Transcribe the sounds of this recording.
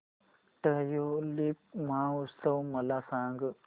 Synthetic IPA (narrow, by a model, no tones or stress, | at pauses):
ʈəjolip̚mãːust̪ɐwmɐlasãːŋɡ